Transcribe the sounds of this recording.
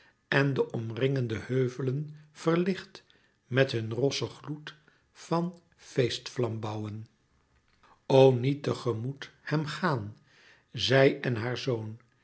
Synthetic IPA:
ɛndəʔɔmrɪŋəndəhøɥvələnv̥əɹlɪχt | mɛtɦɵnrɔsəχlut | fɑn | fejstflɑmbɑwən | ownitəχəmuthɛmχaːn | zɛjɛnɦaːɹzown

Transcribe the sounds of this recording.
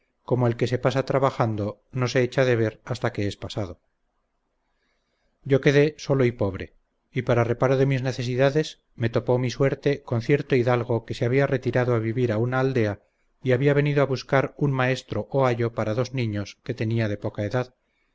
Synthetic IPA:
ko̞moelke̞s̬e̞pasat̪ɾaβaxand̪o̞no̞se̞et͡ʃaðe̞β̞e̞ɾast̪ake̞espasaðo̞ | ɟ͡ʝo̞ke̞ðe̞so̞lo̞ipo̞β̞ɾe̞̰ | ipaɾare̞paɾoðe̞mizne̞θe̞s̬iðaðe̞s | me̞t̪o̞po̞misweɾt̪e̞konθje̞ɾt̪oiðalɣ̞o̞ke̞seaβiare̞t̪iɾaðoaβiβiɾaunaːld̪e̞a | iaβiaβ̞e̞niðoaβuskaɾunmae̞st̪ɾo̞ʔoaʝo̞paɾaðo̞znĩɲoske̞t̪e̞niað̞e̞po̞kae̞ðað

